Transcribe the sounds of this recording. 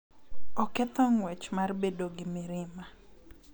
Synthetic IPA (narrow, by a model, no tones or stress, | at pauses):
ɔkɛt̪ɔŋwɛt͡ʃmarbedoɡɪmɪɾɪma